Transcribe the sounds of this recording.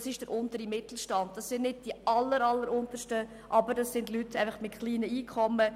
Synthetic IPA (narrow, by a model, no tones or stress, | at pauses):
sɪʃd̥əɾʔʊntəɾimɪtl̩ʃtɑnd̚d̥ɑsːɪnnɪd̚d̥iəʔɑlːəɾɑlːəɾʊntəʃtə | ʔɑbəɾdɑsːɪndlytæɪfɑχmɪtχliːnəiːkʰɔmːə